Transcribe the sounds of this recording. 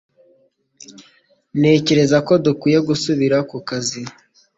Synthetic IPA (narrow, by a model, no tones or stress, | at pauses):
ne̞ːce̞ɾe̞zako̞dukiːje̞ɡusuβiɾakukazi